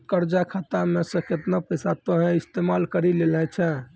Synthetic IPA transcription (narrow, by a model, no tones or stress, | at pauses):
kəɾd͡ʒakʰat̪amẽsə̃ket̪napəsat̪oɦɛ̃ist̪emalkəɾilelɛ̃t͡ʃʰɛ̃